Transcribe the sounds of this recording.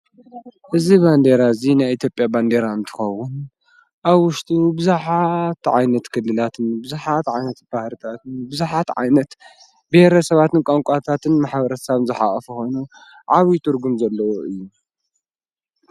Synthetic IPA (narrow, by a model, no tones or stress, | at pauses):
ʔɨziband̪e̞ɾazinajit̪ʰjo̞pʼjaband̪e̞ɾaɨnt̪ʰɨ̥xɐwːʊn | ʔaβwʊʃt̪ʼubɨzaħat̪ʕa̰jnɐt̪kʰɨlːɨlat̪ʰɨnbɨzuħat̪ʕajnɐt̪b̥ahɾɨt̪ʰat̪ɨnbɨzaħat̪ʕa̰jnɐt̪ | behɾɐsɐβat̪ɨnkʼaŋkʷʼat̪ʰat̪ʰɨnmaħbɐɾɐsaβnzɨħa̰kʼɐfuxo̞jnu | ʕaβit̪ʰɨɾɡumzɐlːɐwoʔɨjːu